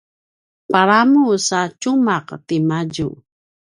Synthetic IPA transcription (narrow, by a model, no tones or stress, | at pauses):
paɾamusat͡ʃumaqtimaɟu